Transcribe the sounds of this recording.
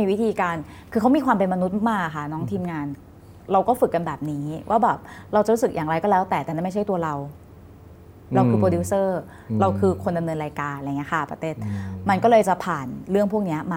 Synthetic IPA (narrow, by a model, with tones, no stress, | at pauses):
iː˧wi˦˥t̪ʰiː˧kaː˧n | kʰɯː˧kʰa˦˥wmiː˧kʰwaː˧mpe˧nma˧nu˦˥t̪̚m˥˩maː˥˩k̚a˨˩kʰa˥˩nɔː˦˥ŋt̪ʰiː˧mŋaː˧n | ɾa˧wkɔː˥˩fɯ˨˩kːa˧nbɛː˨˩p̚niː˦˥wʔaː˥˩bɛː˨˩p̚ɾa˧wt͡ɕa˨˩ɾu˦˥sɯ˨˩k̚jaː˨˩ŋɾa˧jkɔː˥˩lɛː˦˥wt̪ɛː˨˩t̪ɛː˨˩na˥˩ma˥˩t͡ɕa˥˩jt̪u˧ɐɾa˧w | ɾa˧wkʰɯː˧pɾoː˧duː˦˥sɤː˥˩ | ɾa˧wkʰɯː˧kʰo˧nda˧mnɤː˧nɾaː˧jkaː˧nla˧jŋi˦˥ɐkʰa˥˩pa̰˧t̪eː˧˩t̪̚ma˧nkɔː˥˩lɤː˧jt͡ɕa˨˩pʰaː˨˩nɾɯ˥˩əŋpʰu˥˩ək̚ni˦˥ɐmaː˧